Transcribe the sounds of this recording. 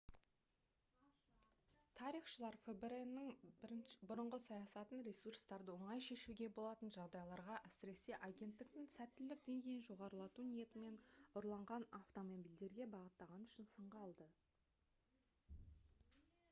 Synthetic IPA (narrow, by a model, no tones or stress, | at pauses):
t̪ʰɑɾijχʃəlˠɑɾfebeɾenːɪŋbbʊɾəɴʁəsɑjɑsɑt̪ənɾʲesurst̪ɑɾd̪əwo̞ɴɑjʃe̞ʃuɡʲe̞bo̞lˠɑt̪ənʒɑʁd̪ɑjlˠɑɾʁɑʔæsɪɾe̞se̞ʔɑɡʲe̞nt̪ːɪk̚t̪ɪŋsæt̪ːɪlːɪk̚d̪e̞ŋɡʲe̞jɪnʒo̞ʁɑɾəlˠɑt̪unije̞t̪ɪme̞nʊɾlˠɑɴʁɑnaft̪o̞mobijld̪e̞ɾɡʲe̞bɑʁət̪ːɑʁɑnʏʃɪnsəɴʁɑːlˠd̪ə